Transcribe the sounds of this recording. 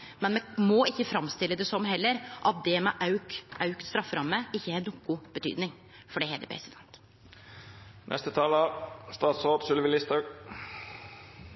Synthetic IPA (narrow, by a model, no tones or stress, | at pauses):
mɛnmɛmɔɪçːəfɾɑmst̪ɪlːəd̪ɛsɔmɦɛlːəɾʔɑt̪̚d̪ɛmɛʔɑʉkʔɑʉkt̪st̪ɾɑfːɾɑmːəɪçːəɛnukːʊb̥ət̪ʰy̰ːd̪nɪŋ | fɔɖɛhɛːd̪ə̰pʰɾɛ̰sɪd̪ɛnt̪ | nʔɛ̰st̪ət̪ʰɑːləɑst̪ɑːt̪soːpsʉlʋɪlɪst̪ɑ